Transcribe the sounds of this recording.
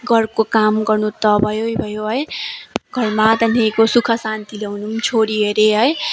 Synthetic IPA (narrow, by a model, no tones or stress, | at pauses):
ɡʌrkokamɡʌrnut̪ʌbʱʌjojbʱʌjoɦʌjɡʱʌrmat̪ʌnekosukʰʌsant̪ileɦunumt͡sʰoɾiɦeɾeɦʌj